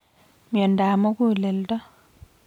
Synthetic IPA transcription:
mjɔ˨nda˨mo˦ku˦˨le˨ltɔ˦

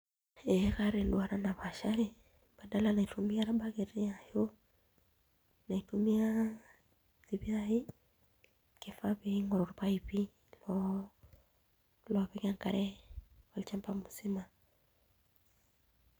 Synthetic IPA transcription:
ɛ˦ka˦ɾe˨ndu˨a˨ɾa˦na˨βa˨ʃa˦ɾi˦ | b̥a˨da˦lana˨i˨tu˨mi˦a˦ɾa˦ba˦ke˨ɾi˦a˨jo˦ | na˨i˨tumi˦a˦ | zi˨βi˦a˦i˦ | ke˨fa˦βi˦ŋɔ˨ɾɔ˨ɾpa˦ipi˦ | lɔ | lɔβɛkaŋka̰˨ɾɛ˦wa˨lit͡ʃa˦mpa˦mu˨si˦ma˨

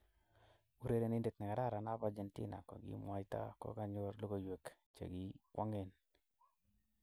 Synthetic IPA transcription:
u˨ɾe˦ɾe˨nɪ˦nde˨t̪nɛ˨ŋa˨da˦˨ɾa˨na˦ba˦d͡ʒe˦ntɪ̰˦na̰˨kɔ̰˨ɡḭ˨˦mwa˨jta̰˦kɔ̰˦ka˦ɲo˦ɾlo˦ɡo˦jwe˨k | t͡ʃḛ˨ɡi˦kwʔa˦ŋe˦n

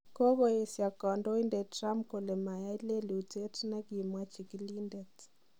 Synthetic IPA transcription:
ko˦βɔ˦e˨sja˨kɔ˨ndɔ˦i˦ndɛ˨tra˦mkɔ˨lɛ˨ma˨ja˦i˦le˦li˨u˨te˦ti˦na˦ki˨mwa˦t͡ʃi˨kili˦ndɛ˨t

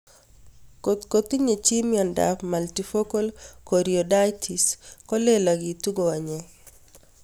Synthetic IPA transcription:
kot̪kot̪i˦ɲe˨t͡ʃi˦miɔ˨nda̰˨pmaltifo˦ko˦lko˨ɾioda˦jtʰi˨skɔ˦le˦laɡi˨tu˦ɡowa˨ɲɛ

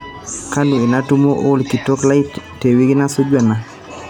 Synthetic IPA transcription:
ka˦nu˨e˨na˦tu˦mo˦ʔo˦lki˨tɔ˦kla˦itte˨wi˦ɡɪ˦na˦so˦d͡ʒwa˨na˦

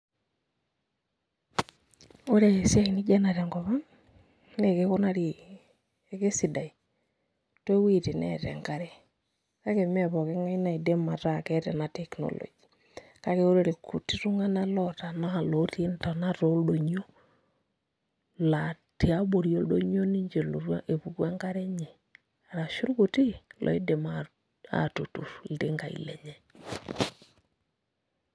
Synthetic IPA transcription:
o˦ɾe˨e˨sja˦ki˨ni˦d͡ʒa˦na˨ɾɛ˨ŋɡɔ˨βa˦ | ne˨ke˦ko˦na˦ɾi˨ | e˨ke˦si˨da˨i˨ | twe˦wi˦te˨nɛ̰tɛ̰˨ŋɡa˦ɾe˦ | ka˦ke˨mɛ˦βɔ˨ke˦ŋa˦i˦na˨i˨de˦ma˨ta˨kɛ˦tɛ̰˨na˨tɛ˨kno̰˨lo̰˨d͡ʒi˨ | ka˦ke˨o˦ɾe˦ɾe˨ku˨ti˦ɾu˦ŋa˦na˦lɔ˦ta˨na˦a˨lo˨ti˦e˦nta˨na˦ɾo˦ldo˨ɲo˦ | la˨ti˨a˦bo˨ɾjo˦ldo˦ɲo˦ni˦ɲd͡ʒe˨lo˨ɾwa˦ʔe˨pu˨kwa˦ŋɡa˦ɾɛ˦ɲe˨ | a˨ɾa˨ʃu˦ɾku˨ti˦lʔɔ̰˨i˦de˨ma˦ | a̰˨tu˨tu˨ɾlte˦ŋɡa˨ḭ˨lɛ̰˨ɲɛ˦

